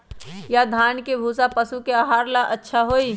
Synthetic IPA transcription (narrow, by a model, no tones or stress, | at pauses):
jad̪ʱaːnkebʱuːsapəsukeaːɦaːɾlaʔətːʃʰaɦoːiː